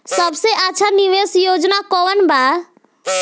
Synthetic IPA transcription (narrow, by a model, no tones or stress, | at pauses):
səbseʔəːt͡ʃʰaniʋesjod͡ʒnakɔʋənba